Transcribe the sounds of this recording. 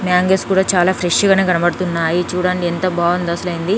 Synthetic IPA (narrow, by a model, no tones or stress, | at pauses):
mjaːŋɡeːskuːɽaːt͡ʃaːlaːpʰɾeʂɡaːneːɡɐnɐpɐɽɐt̪unːaːjit͡ʃuːɽaːɳɖient̪ɐbaːɐnd̪ɐsɐlɐjind̪i